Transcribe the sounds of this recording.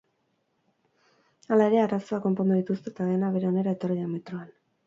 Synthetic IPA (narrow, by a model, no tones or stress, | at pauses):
alae̞ɾe̞araso̞ako̞mpo̞nd̪uðit̪ust̪e̞t̪aðe̞naβe̞ɾe̞o̞ne̞ɾae̞t̪o̞riame̞t̪ɾoan